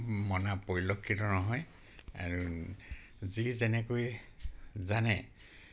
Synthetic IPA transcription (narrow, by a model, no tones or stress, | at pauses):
mɔnapoɹilokʰːitɔnɔɦɔj | a̰ɹu | zizɛnɛkoj | zanɛ